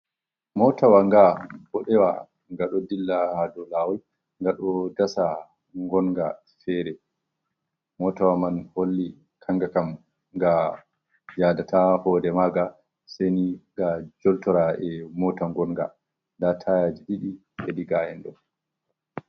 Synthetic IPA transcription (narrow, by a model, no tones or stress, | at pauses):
mɔtawaŋɡabɔɗɛwa | ŋɡaɗɔdilːahadɔlawɔl | ŋɡaɗɔdasa | ŋɡɔnŋɡa | fɛɾɛ | mɔtawamanholːi | kʰaŋɡakam | ŋɡa | jadatʰahɔdɛmaɡa | seniɡad͡ʒɔltɔɾaɛmɔtaŋɡɔnɡa̰ | ndatʰajad͡ʒiɗiɗi | eɗiɡajɛnɗɔ̰